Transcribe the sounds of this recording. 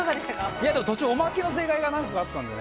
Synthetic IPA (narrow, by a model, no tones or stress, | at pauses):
azad̪eɕt̪akaijad̪emo̞t̪ot͡ɕɨːomakʲino̞s̬e̞ːkaiɡanãŋkakaat̪ːãnd̪ḛn